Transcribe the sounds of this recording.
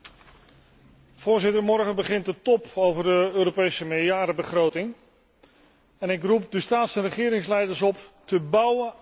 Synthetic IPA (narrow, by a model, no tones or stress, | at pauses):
v̥ʊːɹzɪtəɹmɔɹχənbəχɪnt̚dətɔpowvəɹdəøːɾopejsəmɪjaːɾəbəχrowtɪŋ | ɛnɪkrupdəstaːtsənrəχɪːɾɪŋslɛjdəɹsɔptəbʌwə